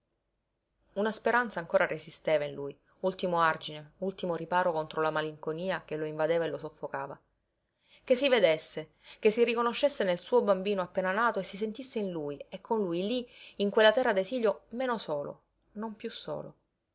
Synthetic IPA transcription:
unaspeɾant̪saːŋkoːɾaresist̪eːvainluj | ult̪imoard͡ʒineult̪imoɾipaːɾokont̪ɾolamaliŋkoniːakeloiɱvad̪eːvaelosofːokaːva | kesːived̪esːe | k̟esːirikonoʃːesːenelsuːobambiːnoapːeːnanaːt̪oesːis̬ent̪isːeinluːjekʰːonlujliːŋkwelːat̪ɛrːad̪eziːljomeːnosoːlo̰ | nompjusːo̰ːlo̰

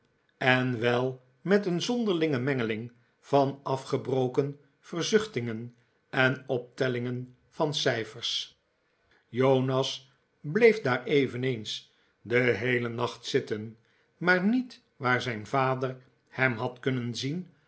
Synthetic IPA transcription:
ɛnʋɛlˠ | mɛtənzɔndəʁlɪŋəmɛŋəlɪŋ | v̥ɑnɑfχəbrowkən | v̥ərzʏχtɪŋən | ɛnɔp̚tɛlɪŋən | fɑnsɛjfərs | jownɑs | blejfdaːɹejvənejns | dəɦejlənɑχtsɪtən | maːɹnit | ʋaːɹzɛjnvaːdər | hɛmɦɑtkɵnənzin

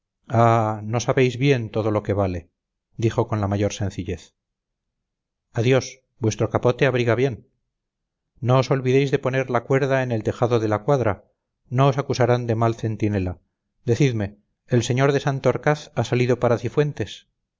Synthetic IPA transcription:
ano̞saβe̞jzβje̞nt̪o̞ð̞o̞lo̞ke̞βale̞ | d̪ixo̞ko̞nlamaʝo̞ɾsẽ̞nθiʎe̞θ | aðjo̞s | bwe̞st̪ɾo̞kapo̞t̪e̞aβ̞ɾiɣaβje̞n | no̞ːso̞lβiðe̞jzðe̞po̞ne̞ɾlakwe̞ɾðaene̞lt̪e̞xaðoðe̞lakwaðɾa | no̞osakusaɾand̪e̞malθe̞nt̪ine̞la | d̪e̞θiðme̞ː | lse̞ɲo̞ɾðe̞sant̪oɾkaθasaliðo̞paɾaθifwe̞nt̪e̞s

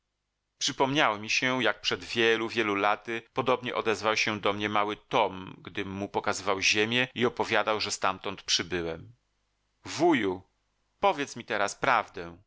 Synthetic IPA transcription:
pʂɘpɔmɲawɔmʲiɕɛjak̚pʂɛd̪vʲjɛluvʲjɛlulat̪ɘpɔd̪ɔbɲɛ̰ʔɔd̪ɛzvawɕɛd̪ɔmɲɛmawɘt̪ɔmɡd̪ɘmːupɔkazɘvawʑemʲjɛiɔpɔvʲjad̪awʐɛst̪amt̪ɔnt̪pʂɘbɘwɛm | vuju | pɔvʲjɛt̪smʲit̪ɛɾaspɾavd̪ɛ

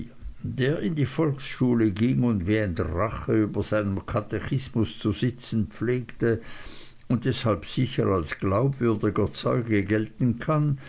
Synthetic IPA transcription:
d̥eːɐɪndiːfɔlksʃuːləɡɪŋʊntveːʁəntʁaχəyːbɐz̥aɪnəmkʰatɛçɪsmʊst͡suzɪt͡sn̩pp͡fleːktə | ʊnt̚d̥ɛshalpz̥ɪçə̰ʁalsɡ̥laʊpv̥ʏɐdɪɡɐt͡sɔʏɡəɡɛltn̩kʰan

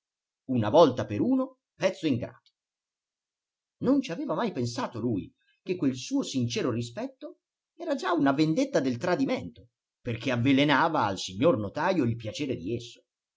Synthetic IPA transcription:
unavɔlt̪apeɾuːno | pɛt̪sːoiŋɡɾa̰ːd̪̥o̥ | nont͡ʃiaveːvamajpensaːt̪oluːj | k̟ekːwelsuːosint͡ʃɛːɾorispɛt̪ːo | ɛːɾad͡ʒaunavend̪et̪ːad̪elt̪ɾad̪iment̪o | perk̟eavːelenaːva̰ːlsiɲːornot̪aːjoilpjat͡ʃeːɾed̪iesːo̥

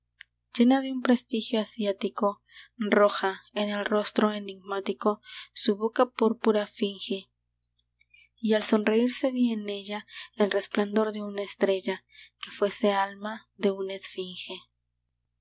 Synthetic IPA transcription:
d͡ʒe̞naðeumpɾe̞st̪ixjo̞asjat̪iko̞ | ro̞xaenelro̞st̪ɾo̞e̞ndiɡmat̪iko̞suβokapuɾpuɾafiŋxe | ialso̞nre̞iɾse̞βiene̞ʝaelre̞spland̪o̞ɾðe̞unaest̪ɾe̞ʝa | ke̞fwe̞se̞almaðe̞unesfiŋxe̞

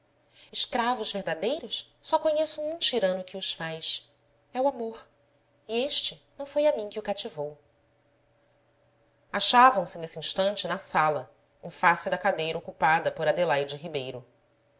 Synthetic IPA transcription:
ɪʃkɾavʊzveɦd̪ad̪ejɾʊs | sɔkoɲesʊ̃ũt͡ʃiɾɐ̃nʊkɪʊʃfajs | ɛwamoɾ | ieʃt͡ʃɪnɐ̃w̃fojamĩkɪʊkat͡ʃivow | aʃavɐ̃w̃sɪnesɪĩʃt̪ɐ̃nt͡ʃɪnɐsalɐ | ẽfasɪd̪ɐkad̪ejɾɐokupad̪ɐpoɾad̪elajd͡ʒɪɦibejɾʊ

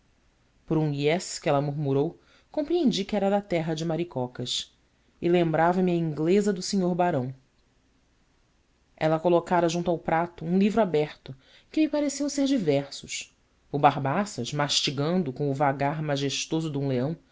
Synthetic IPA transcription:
poɾũiɛskɪɛlɐmuɾmuɾow | kõpɾiẽd͡ʒikɪɛɾɐd̪ɐt̪ɛɦɐd͡ʒɪmaɾikɔkɐʃ | ɪlẽmbɾavɐmɪɐĩŋɡlezɐd̪ʊsiɲoɾbaɾɐ̃w̃ | ɛlɐkolokaɾɐʒũnt̪ʊawpɾat̪ʊũlivɾʊabɛχt̪ʊ | kɪmipaɾesewseɾd͡ʒivɛɾsʊʃ | ʊbaɾbasɐʃmaʃt͡ʃiɡɐ̃nd̪ʊkõw̃ʊvaɡaɾmaʒeʃt̪ozʊd̪ũleɐ̃w̃

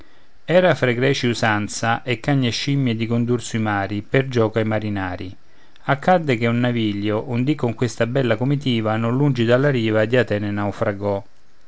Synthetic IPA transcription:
ɛːɾafɾeɡɾɛːt͡ʃiusant̪saʔekːaɲːeʃːimːjed̪ikond̪ursuimaːɾiperd͡ʒɔːkajmaɾinaːɾi | akːad̪ːɪkeunːaviːʎːjoʔund̪ikːoŋkwest̪abɛlːakomit̪̬iːvanʊnlːund͡ʒid̪alːaɾiːvad̪iat̪ɛːnenawfɾaɡɔ

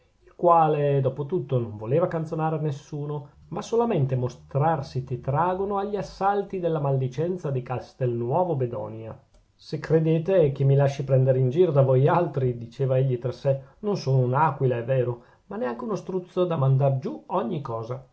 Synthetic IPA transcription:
ilkwaːled̪ɔːpot̪ut̪ːonoɱvoleːvakant̪sjonaːɾeanesːuːno | masolament̪emost̪ɾarsik̪et̪ɾaːɡonoaʎːiasːalt̪id̪elːamald̪it͡ʃɛnt̪sad̪ikast̪ɛlnwɔːvobed̪ɔ̰ːnja̰ | sekɾed̪eːt̪ek̟emːilaʃːipɾɛnd̪eɾeind͡ʒiːɾod̪avojalt̪ɾid̪it͡ʃeːvaeʎːit̪ɾasːenonsoːnounaːkwilaɛvːeːɾo | manɛaŋk̟eunost̪ɾut̪sːod̪amand̪ard͡ʒuɔɲːikɔːza

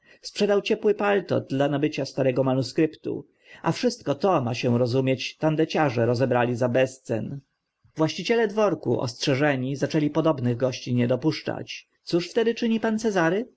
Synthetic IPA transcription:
spʂɛd̪awt͡ɕɛpwɘpalt̪ɔ̰d̪lanabɘt͡ɕast̪aɾɛɡɔmanuskɾɘpt̪ṵ | ʔa̰fʂɘst̪kɔt̪ɔmaɕɛ̃ɾɔzumʲjet͡ɕt̪and̪ɛt͡ɕaʐɛɾɔzɛbɾalʲizabɛst̪sɛ̰n | vwaɕt͡ɕit͡ɕɛlɛd̪vɔɾkṵʔɔ̰stʂɛʐɛɲizat͡ʂɛlʲipɔd̪ɔbnɘɣɡɔɕt͡ɕiɲɛd̪ɔpuʂt͡ʂa̰t͡ɕ | t̪suʂft̪ɛd̪ɘt͡ʂɘɲipant̪sɛzaɾɘ

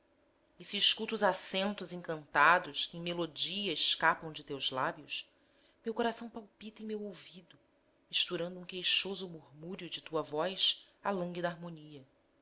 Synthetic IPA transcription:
isiːʃkut̪uːzasẽnt̪ʊzẽŋkɐ̃nt̪ad̪ʊʃkɪẽj̃melod͡ʒiɐɪʃkapɐ̃w̃d͡ʒɪt̪ewzlabjʊʃs | mewkoɾasɐ̃w̃pawpit̪ẽmewowvid̪ʊ | iʃt̪uɾɐ̃nd̪ʊũkejʃozʊmuɾmuɾjʊd͡ʒɪt̪uɐvɔjʃ | alɐ̃ŋɡid̪aaɾmoniɐ

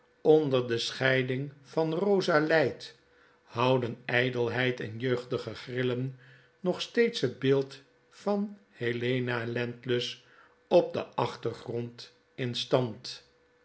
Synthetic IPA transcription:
ɔndəɹdəsχɛjdɪŋfɑnrowzalɛjt | hɑwdənɛjdəlˠɦɛjtɛ̰njøɥχtəχəχrɪlən | nɔχstejtsɦəd̚bɪːlˠt | fɑnhelejnalɛntləs | ɔp̚də̰ʔɑχtərχrɔnt | ɪnstɑnt

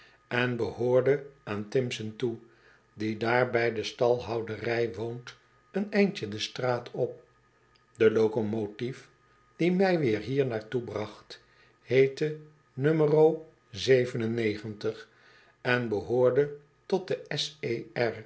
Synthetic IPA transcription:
ɛnbəhʊːɹdəaːntɪmsəntu | didaːɹbɛjdəstɑlˠɦɑwdərɛjʋont | ənɛjnt͡ʃədəstraːtʰɔp̚ | dəlowkomotif | d̥imɛjʋɪːɹɦiːɹnaːɹtubrɑχt | hejtə | nømərow | zejvənənejχəntəχ | ɛnbəɦʊːɹdə | tɔt̚dəɛseɛɹ

